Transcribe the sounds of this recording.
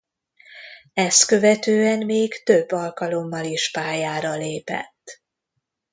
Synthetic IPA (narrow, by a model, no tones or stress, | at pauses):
ɛskø̞vɛt̪øːɛnmeːɡt̪ø̞bːɒlkɒlo̞mːɒliʃpaːjaːɾɒleːpɛ̰t̪ː